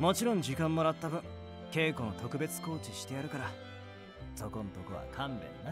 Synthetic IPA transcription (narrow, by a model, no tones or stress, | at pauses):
mo̞t͡ɕiɾõ̞ɲ̟d͡ʑikãmːo̞ɾat̪ːabɯ̟̃ŋ | ke̞ːko̞not̪o̞kɯ̟be̞t͡sɨ̥ko̞ːt͡ɕiɕi̥t̪e̞jaɾɯ̟kaɾa | so̞ko̞not̪okɯ̟βa̰kʰãmbḛ̃nːa